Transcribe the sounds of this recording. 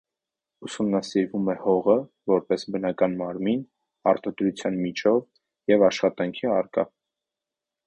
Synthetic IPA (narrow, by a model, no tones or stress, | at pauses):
usumnɑsiɾvumɛhɔʁə | vɔɾpɛsbənɑkɑnmɑɾmin | ɑ̰ɾt̪ɑd̪ɾut͡sʰjɑnmit͡ʃʰɔv | jɛvɑʃχɑt̪ɑŋkʰiɑrkɑ̰